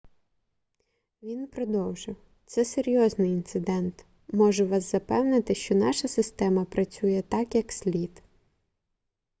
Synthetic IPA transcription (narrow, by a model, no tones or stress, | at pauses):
ʋʲinpɾɔd̪ɔwʒɪw | t̪sɛseɾʲjɔznɪjint̪sɪd̪ɛnt̪ | mɔʒɛʋɑzzɐpɛwnɪt̪ɪʃt͡ʃɔnɑʃɐsɪst̪ɛmɐpɾɐt͡sʲujɛt̪ɑkjɐksʲlʲit̪